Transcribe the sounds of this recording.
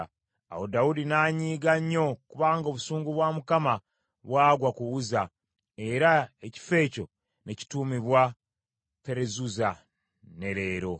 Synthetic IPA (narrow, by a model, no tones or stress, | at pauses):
a̰wodaudinaːɲiːɡaɲːo̞kuβaːŋɡoβusuːŋɡuβwamukama | βwaːɡwakuβuza | e̞ɾaeci̥fe̞ːco̞ | ne̞ci̥tumiβwa | pe̞ɾezuza | ne̞ɾeːɾo̞